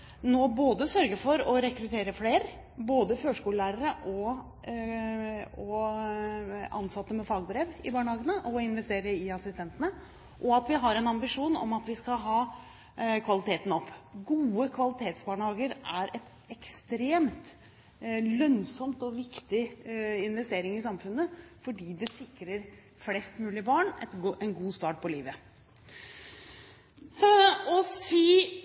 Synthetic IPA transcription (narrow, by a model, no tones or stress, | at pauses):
noːboːd̪əsœɾɡəfɔɾɔɾɛkɾʉt̪ʰeːɾəfleːɾ | boːd̪əføːʂkuːllæːɾəɾəʔɔ | ɔ | ɑ̰nsɑt̪ːəmɛfɑːɡ̚bɾeːʋɪbɑːɳəhɑːɡənəʔɔɪnʋɛst̪eːɾəɪɑsɪst̪ɛnt̪ənə | ʔɔɑt̪ʋɪɦɑɾɛnɑmbɪʂuːnɔ̰mɑt̪ʋɪskɑɦɑː | kʰʋɑlɪt̪ʰeːt̪n̩ɔpːɡuːəkʰʋɑlɪt̪ʰeːt̪sbɑːɳhɑːɡəɾæɾʔɛt̪ | ɛkst̪ɾeːmt̪ | lœnsɔmt̪ɔʋɪkt̪ɪɪnʋɛst̪eːɾɪŋɪsɑmfʉnːəfɔɖiːd̪ɛsɪkɾəɾ | flɛst̪mʉːlɪəbɑːɳɛ̰t̪ɛnɡuːst̪ɑːʈ̚pʰɔliːʋə | ɔsiː